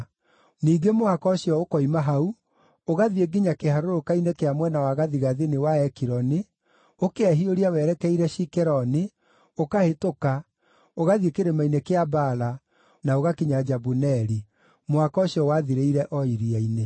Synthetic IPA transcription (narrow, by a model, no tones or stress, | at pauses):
niːɡemohakɔɕjɔokɔimaɦau | oɣaðieɡiɲakehaɾoɾokainekeamwɛnawaɣaðiɣaðinewaɛkiɾɔni | okeɛɦioɾiawɛɾɛkɛiɾɛʃikɛɾɔni | okahetoka | oɣaðiekeɾemainekeabala | naoɣakiɲad͡ʒabunɛɾi | moakɔɕjɔwaðiɾeiɾɛʔɔiɾiaine